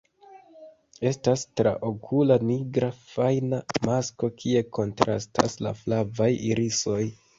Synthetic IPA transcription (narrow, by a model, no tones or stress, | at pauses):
e̞stastɾa̰ʔo̞kʰulaniɡɾafajnamasko̞kʰie̞ko̞ntɾʔa̰stʰa̰sla̰flavajiɾiso̞j